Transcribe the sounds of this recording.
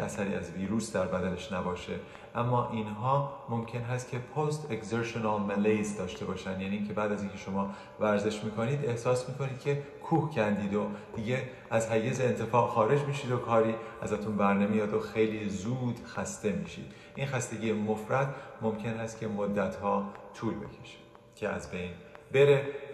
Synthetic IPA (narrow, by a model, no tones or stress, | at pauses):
æsæɾiːæzviːɾuːsd̪æɾbæd̪æneʃnæbɒːʃe | ʔæmːɒːʔinɦɒːmo̞mcʰe̞nɦæst̪̚cʰe̞pʰost̪ʰekzeɾʃonɑlmælejzd̪ɒːʃt̪ʰe̞bɒːʃænd̪jæːniːcʰe̞bæːd̪æziːncʰe̞ʃo̞mɒː | væɾze̞ʃmiːkʰo̞niːd̪e̞hsɒːsmiːko̞niːd̪̥̚cʰe̞ | kʰuːhcʰænd̪iːd̪o̞d̪̥iːɟe | æzhæɡe̞zeːnt̪ʰefɒːʔxɒːɾe̞d͡ʒmiːʃiːd̪o̞kʰɒːɾiːæzæt̪ʰunbæɾnemijɒːd̪o̞xe̞jliːzuːd̪xæst̪e̞mḭːʃḭːd̪̥ | ʔinxæst̪e̞ɟiːjemo̞fɾæt̪mo̞mcʰe̞nhæst̪̚cʰe̞mod̪ːæt̪ʰhɒːt̪ʰuːlbe̞̰cʰeʃi̥ | cʲʰeæ̰zbe̞jnbe̞ɾe̞